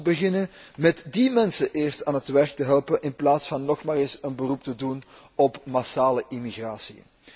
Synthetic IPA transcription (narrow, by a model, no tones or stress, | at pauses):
bəɣɪnənmɛtdimɛnsəʔɪːrstaːnɦətʋɛrk̚təɦɛlˠpənʔɪnplaːtsfɑnːɔxmaːɾɪsənbərup̚tədun | ɔpmasaːləʔimiɣraːsḭ